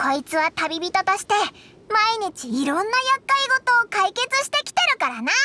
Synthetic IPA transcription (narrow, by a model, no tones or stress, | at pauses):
ko̞it͡sɨβat̪abʲibʲit̪ot̪oɕi̥t̪e̞ | maiɲ̟it͡ɕiːɾõ̞nːajakːaiɡo̞t̪o̞ːkaike̞t͡sɨɕi̥t̪e̞kʲi̥t̪e̞ɾɯ̟kaɾana